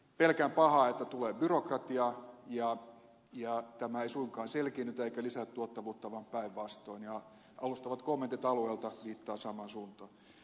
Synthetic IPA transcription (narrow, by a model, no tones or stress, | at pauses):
pelkæmpɑhɑːet̪ːæt̪uleːbyrokrɑt̪iɑjɑ | jɑt̪æmæeisuiŋkɑːnselkinːyt̪eikælisæt̪t̪uot̪ːɑʋuːt̪ːɑʋɑmpæiʋʋɑst̪oinjɑ | ʔɑlust̪ɑʋɑt̪komːent̪it̪ɑlueːlt̪ɑʋiːt̪ːɑːsɑmɑnsuːnt̪ɑ